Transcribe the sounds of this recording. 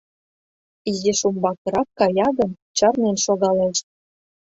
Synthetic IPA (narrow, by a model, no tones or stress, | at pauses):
izeʃumbɑkɤ̆ɾɑkːɑjɑɣɤ̆n | t͡ɕɑrnenʃoɣɑleʃt̪̚